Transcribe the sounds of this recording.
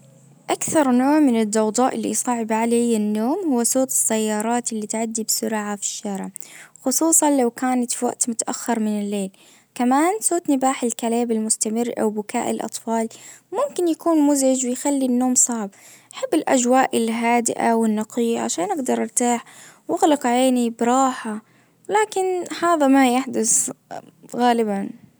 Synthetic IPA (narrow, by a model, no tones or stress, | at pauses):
ʔakθɑɾˤnoːʕmɪnɪd̪ːɑwd̪ˤɑːʔɪlːḭsˤɑːʕɪbʕalajːanːoːmhʊwːasoːt̪ɪ̥sːajːɑːɾˤɑːt̪ɪlːiːt̪ʕad̪ːibsʊɾʕafi̥ʃːaːɾɪʕxʊsˤuːsˤɑnlawkaːnat̪fiwa̰ʔt̪mʊt̪aʔa̰xːɪɾˤmɪnɪlːeːl | kamaːnsoːt̪nɪbaːħɪlkaleːbɪlmʊst̪amɪrːʔa̰wbʊkaːʔɪ̰lʔɑ̰t̪ˤfɑːlmʊmkɪnjakuːnmʊzɪd͡ʒwɪjxalːinːoːmsˤɑʕb | ʔaħabːɪlʔad͡ʒwaːʔɪlɦaːd̪ɪ̰ʔawɪnːɑqijaʕa̰ʃaːnʔaɡd̪ɑɾˤɪɾt̪aːħwɪɣlɑqaʕeːnibɾˤɑːħa | wlaːkɪnhaːðamajaħd̪ʊs | ɣaːlɪban